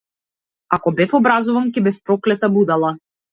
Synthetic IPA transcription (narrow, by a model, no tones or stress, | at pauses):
akɔbɛfɔbɾazuvankɛbɛfpɾɔklɛt̪abud̪alˠa